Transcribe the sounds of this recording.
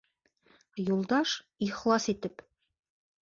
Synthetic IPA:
julˠd̪ɑʃ | iχlˠɑsit̪ɘp

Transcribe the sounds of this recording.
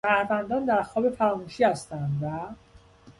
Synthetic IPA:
æɾvænd̪ɒːnd̪æɾxɒːbe̞fæɾɒːmuːʃiːhæst̪ænd̪væ

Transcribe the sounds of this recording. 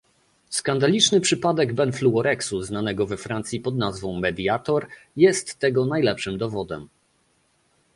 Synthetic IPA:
skand̪alʲit͡ʂnɘpʂɘpad̪ɛɡbɛnfluɔɾɛksuznanɛɡɔvɛfɾant̪sʲjipɔd̪nazvɔ̃w̃mɛd̪jat̪ɔɾjɛst̪ːɛɡɔnajlɛpʂɘmd̪ɔvɔd̪ɛ̰m

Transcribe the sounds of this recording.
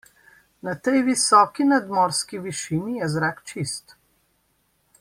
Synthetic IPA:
nat̪ɛjʋisɔːkinad̪mɔːɾskiʋiʃiːnijɛzɾakt͡ʃist̪

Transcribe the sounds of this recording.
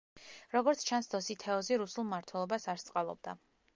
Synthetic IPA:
ɾɔɡɔɾt̪sʰt͡ʃʰansd̪ɔsit̪ʰɛɔziɾusulˠmaɾt̪ʰwɛlˠɔbasaɾst̪sʼqʼalˠɔ̰b̚d̪a

